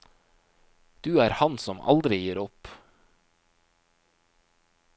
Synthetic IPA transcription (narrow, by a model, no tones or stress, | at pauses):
d̪̥ʉːæːɾhɑnsɔmɑ̰ld̪ɾɪjiːɾɔp